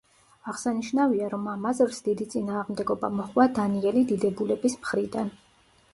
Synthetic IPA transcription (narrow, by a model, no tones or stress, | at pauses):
aʁsaniʃnaviaɾɔmamazɾsd̪̥id̪it̪sʼinaːʁmd̪ɛɡɔba̰mɔχwad̪aniɛlid̪id̪ɛbulɛbismχɾid̪an